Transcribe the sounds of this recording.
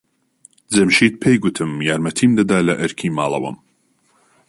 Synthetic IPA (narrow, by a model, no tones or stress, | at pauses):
d͡zɐmʃiːt̪̚pʰejɡut̪ʰɨmjaːɾmɐt̪ʰiːmd̪ɐd̪aːlɐʔɨɾkʰiːmaːlˠɐ̰wɐ̰m